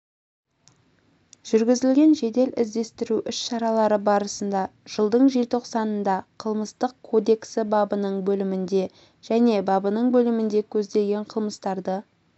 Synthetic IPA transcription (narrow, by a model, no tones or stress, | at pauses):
ʒ̥ʏɾɡʲɪzɪlɡʲe̞nʒe̞d̪e̞lɪ̰zd̪e̞st̪ɪɾuʔʏsʃɑɾɑlˠɑɾəbɑɾəsənd̪ɑʒ̥əlˠd̪əɴʒelt̪ʰo̞qsɑnənd̪ɑqʰəlˠməst̪əqkʰo̞d̪e̞ksɪbɑbənəɴbɵlɪmɪnd̪e̞ | ʒ̥æne̞bɑbənəɴbɵlɪmɪnd̪e̞kʲʰɵzd̪e̞ɡʲe̞ɴqʰəlˠməst̪ɑɾd̪ə